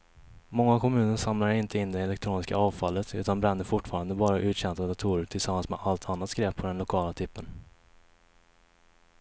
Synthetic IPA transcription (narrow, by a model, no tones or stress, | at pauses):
mɔŋːakʰɔmʉ̟ːnəɾʂamlaɾɪnt̪ʰəɪnːd̪ɛɛlɛkt̪ʰɾuːnɪska̰ɑːvfalːət̪ʰʉ̟ːt̪anbɾɛnːəɾfʊʈːfɑːɾand̪əbɑːɾaʔʉ̟ːɕɛnt̪ad̪at̪ʰuːɾəʈʰɪlsamːansmɛ̰alt̪ʰanːat̪skɾɛpʰːɔd̪ɛnlʊkʰɑːlat̪ʰʏpːən